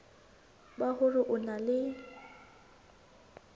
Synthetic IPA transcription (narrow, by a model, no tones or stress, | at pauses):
bahʊrɪʔʊnalɪ